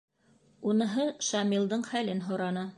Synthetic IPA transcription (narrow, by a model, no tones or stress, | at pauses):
unɤ̆ɦɤʃɑmilˠd̪ɤɴχælɘnɦŏɾɑnɤ